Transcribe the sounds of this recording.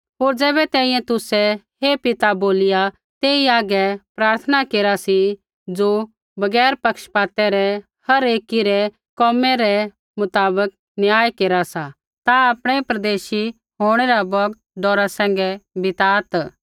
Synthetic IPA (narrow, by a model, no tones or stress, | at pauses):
ɦoːɾd͡zɛːbɛt̪ɛ̃ːĩːjɛ̃t̪ʊsɛhepɪt̪aboːlɪja | t̪eːiaːɡɛpɾaːɾt̪ʰənakeːɾasi | d͡zo | bɐɡɛːɾpɐkʃpaːt̪ɛɾɛ | hɐɾeːkiɾɛ | kɔːmɛɾɛ | mʊt̪aːbək̚ | njaːjkeːɾasa | t̪aaːpɽ̃ɛpɾɐd̪eːʃi | ɦoːɽ̃ɛɾabɔɡ | ɖɔːɾasɛ̃ːŋɡɛbɪt̪aːt̪